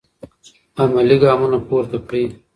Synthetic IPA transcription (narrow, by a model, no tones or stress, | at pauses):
ɐmɐliɡaːmunɐpuːɾt̪ɐpɽiː